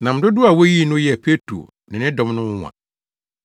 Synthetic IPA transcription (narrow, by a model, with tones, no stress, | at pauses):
nã˨m̩˨dʊ˦dʊ˦a˨wo˦ji˦˨nʊ̃˦jɛ˨pʰe˦tʰɾo̰˨ | nɪ̃˨nɪ̃˦dɔ̃˨m˦nʊ̃˦˨ã̰˨